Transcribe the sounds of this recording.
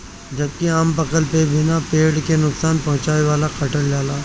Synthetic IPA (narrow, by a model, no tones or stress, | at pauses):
d͡ʒɐb̚kiaːmpɐkəlpebɪnapeːɽkenʊksaːnpɐɦʊ̃t͡ʃaːeʋaːlakɐʈəɽlaːlaː